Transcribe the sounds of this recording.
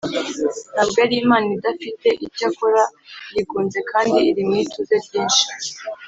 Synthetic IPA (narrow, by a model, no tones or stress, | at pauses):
nabɡaɾiːmaːnidafite̞ʔicakoɾajiɡuːnze̞kʰaːndiːɾimŋiːtuzebjiːnʃi̥